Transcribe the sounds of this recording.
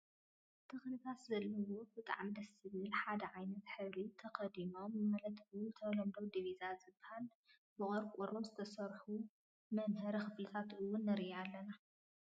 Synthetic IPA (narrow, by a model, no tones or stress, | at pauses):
t̪ʰɨxnik̪ʰaszɐlːɨwobɨt̪ʼa̰ʕmid̪ɐsɨβɨlħad̪ɐʕajnɐt̪ħɨβlit̪ʰɐkɐd̪imo̞mːalɐt̪bwut̪ʰɐlɐmd̪owd̪ivizazɨbɐhal | bɨχʼɔɾkʼuɾomzɨt̪ʰɐsɐɾħu | mɐnɦɐɾixɨflɨt̪ʰat̪ɨwːʊnːɐɾialːɐna